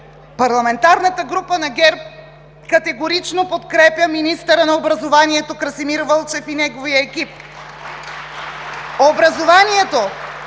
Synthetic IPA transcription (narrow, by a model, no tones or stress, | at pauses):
pɐɾlˠɐmɛnt̪aɾnɐt̪əɡɾupənɐɡʲɛɾp̚ | kɐt̪ɛɡoɾit͡ʃnopot̪kɾɛpjəminist̪əɾənɐobɾɐzovaniɛt̪okɾɐsimiɾvəlˠt͡ʃɛfinɛɡovijəɛkip̚ | obɾɐzovaniɛt̪o